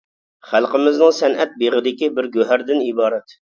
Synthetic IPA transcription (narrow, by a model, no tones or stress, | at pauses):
χælˠqəmɪznɨŋsɛnʔɛt̪̚beʁɪd̪ɪkʲibɪɾɡʲøɦæɾd̪ɪnibɑːɾɛt̪